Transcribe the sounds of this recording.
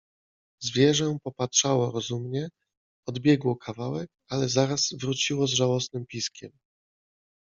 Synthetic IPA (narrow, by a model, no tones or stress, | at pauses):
zvʲjɛʐɛpɔpatʂawɔɾɔzumɲɛ | ɔd̪bʲjɛɡwɔkʰavawɛk̚alɛzaɾaz̥vɾut͡ɕiwɔzʐawɔsnɘmpʲiskʲɛm